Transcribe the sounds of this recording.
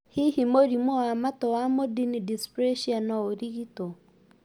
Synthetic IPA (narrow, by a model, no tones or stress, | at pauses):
hihimoɾimwɔwamatɔwamodinidispɾɛʃianɔoɾiɣitɔ